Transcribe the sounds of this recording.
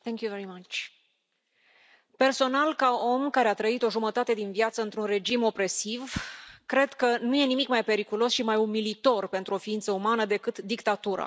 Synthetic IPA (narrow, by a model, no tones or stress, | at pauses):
θɛ̃ŋkjuveɾimat͡ʃʲ | pe̞rso̞nalkao̞mkaɾeat̪ɾəit̪o̞ʒumət̪at̪e̞d̪invjat̪səɨnt̪ɾunre̞d͡ʒimo̞pɾe̞sivkɾe̞d̪kənuje̞nimikmajpe̞ɾikulo̞sʃimajumilit̪o̞rpe̞nt̪ɾuo̞fiint̪səumanəd̪e̞kɨt̪d̪ikt̪at̪uɾa̰